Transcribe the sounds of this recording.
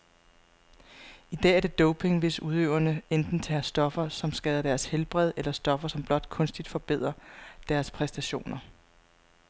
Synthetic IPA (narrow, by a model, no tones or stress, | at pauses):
id̥ɛ̰ːæɐɾ̥e̝d̥ɔʊpʰe̝ŋʋe̝suð̞ˠøʊɐnəend̥n̩t͡sʰæːɐsd̥ɒ̽fɐsɒ̽msɡ̥ɛːðˠɐd̥æɐshelb̥ʁɛð̞ˠelɐsd̥ɒ̽fɐsɒ̽mb̥lɒ̽d̥kʰɔ̽nsd̥id̥fɒ̽b̥e̝ð̞̰ˠʁɐd̥æɐspʰʁɛsd̥æɕo̝̰ːnɐ